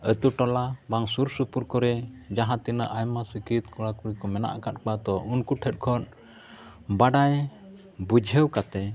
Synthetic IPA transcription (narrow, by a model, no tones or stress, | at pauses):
ət̪uʈɔlabaŋsuɾsupuɾkɔɾɛd͡ʒaɦãt̪inəʔajmasəkit̪kɔɽakuɾikɔmɛna̰ʔkat̪̚k͡pat̪ɔʔunkuʈʰət̪̚kʰɔn | baɖaj | bud͡ʒʱəwkat̪ɛ